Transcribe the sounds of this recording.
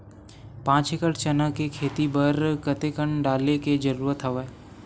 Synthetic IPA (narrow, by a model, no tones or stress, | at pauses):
pãːt͡ʃɦekəʈt͡ʃənəkekʰeːt̪ibəɾkət̪ekəɳɖaːleked͡ʒəɾuːɾət̪ɦɐʋeː